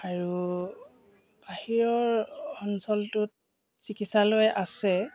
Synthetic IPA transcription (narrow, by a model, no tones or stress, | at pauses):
aɹu | b̥ahiɹɔɹɔnsɔltʊt | sikitsalojʔasɛ